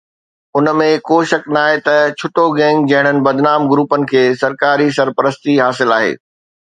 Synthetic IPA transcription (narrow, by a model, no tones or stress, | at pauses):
ʊnəmẽkoːʃɐknaːɦet̪ɐt͡ɕʰʊʈoɡɛ̃ːŋɡ̚d͡ʑɐ̃ɦɪɽ̃ənɪ̆bɐd̪naːmɡɾuːpənɪ̆kʰeːsɐɾkaːɾisɐɾpəɾəst̪iɦaːsɪlaːɦḛː